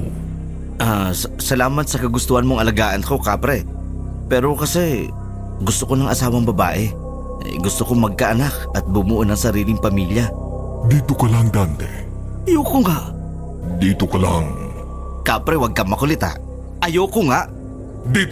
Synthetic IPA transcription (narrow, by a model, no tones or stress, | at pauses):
ʔassɐlaːmɐnsɐkɐɡʊst̪uhɐnmoŋɐlɐɡaːʔɐnko̞kaːpɾɛ | pɛːɾo̞kɐsɛ | ɡʊst̪okonɐŋʔɐsaːwɐŋbɐba̰ːʔɛ̰ | jɡʊst̪okomɐɡ̚kɐʔɐnak̚ʔɐt̪̚bʊmuʔonɐŋsɐɾiːlɪŋpɐmiːljɐ | d̪iːt̪okɐlaŋd̪ant̪ɛ̰ | ʔɐjokoŋaʔ | d̪iːt̪okɐla̰ŋ | kaːpɾɛwɐɡ̚kɐmɐkʊlɪt̪a̰ʔ | ʔɐjokoŋaʔ | d̪iː